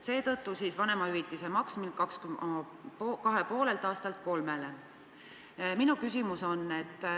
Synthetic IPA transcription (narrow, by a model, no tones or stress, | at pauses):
se̞ːt̪ɤ̞t̪ːusiːsvɑne̞mɑyvit̪ːˑisemɑksminkɑksky | pːkɑɦe̞po̞ːle̞lt̪ˑɑːst̪ɑlt̪̚ko̞lme̞le | minukysimuso̞nːe̞t̪ːˑ